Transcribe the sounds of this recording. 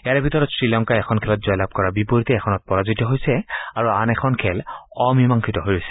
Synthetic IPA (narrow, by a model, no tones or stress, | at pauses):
ɛaɹɛbʱitɔɹɔtsɹilɔŋkajɛkʰɔnkʰɛlɔtzɔjlab̚kɔɹabipoɹitɛɛkʰxʰɔnɔt̚pɔɹazitɔɦojsɛaɹuanɛkʰɔnkʰɛlɔmimaŋkʰitɔɦojɹojsɛ̥